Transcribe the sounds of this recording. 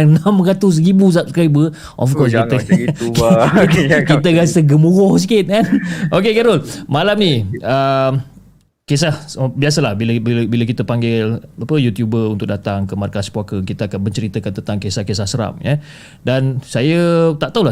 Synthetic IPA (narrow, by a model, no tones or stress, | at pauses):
nãmrat̪ʊs̬ribus̬ap̚skajbə | ʔɔfkɔs̬kiəkkikit̪əɣasəɡəmuɣɔhs̬ikɪt̪̚kanʔok̬ekaɾʊlmalamniəm | kes̬ahbiasəlahbilabilbilək̬it̪əpaŋɡɪlapəjut̪jubəunt̪ʊk̚dat̪aŋkəmarkaspwakəkit̪əakanməɲt͡ʃəɾit̪əkant̪ənt̪aŋkesahkesahsəɾa̰mja | dansajət̪aʔt̪aula